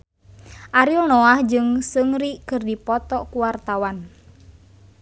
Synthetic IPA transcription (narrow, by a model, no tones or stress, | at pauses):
ʔaɾiɔlnɔahd͡ʒɨŋsɨŋɾikɨrdipɔt̪ɔkuwart̪awan